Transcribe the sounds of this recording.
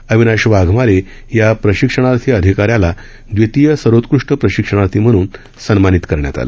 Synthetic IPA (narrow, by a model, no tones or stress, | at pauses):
əʋinaɕʋaɡʱmaɾe | japɾəɕikʂəɽ̃aɾt̪ʰiːəd̪ʱikaɾjala | d̪ʋet̪ijəsəɾot̪kɾuʂʈəpɾəɕikʂəɽ̃aɾt̪ʰiːm̤əɽ̃uːn | sənmanit̪kəɾɳja̰t̪a̰lḛ